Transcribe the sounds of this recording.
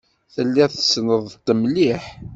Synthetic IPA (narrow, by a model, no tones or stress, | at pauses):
θəlːæθəsnəðˤt̪ːəmliħ